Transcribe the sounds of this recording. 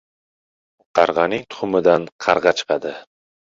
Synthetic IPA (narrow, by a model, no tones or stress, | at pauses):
qʰɑɾʁɑnɪŋt̪ʰʊ̥χʊmɪd̪anqʰɑɾʁɑt͡ʃʰɨ̥qʰɑd̪ɪ